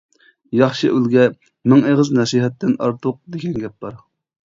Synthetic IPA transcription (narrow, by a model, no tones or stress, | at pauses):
jɑχʃɨʔylɡʲɛ | mɪŋeʁəznɛsiɦɛt̪ːɪnɑ̰ɾt̪ʰʊq̚d̪eɡʲɛnɡʲɛp̚bɑɾ